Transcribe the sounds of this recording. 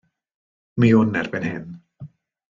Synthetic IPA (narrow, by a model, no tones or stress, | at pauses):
miʊnːɛrbɛnhɪn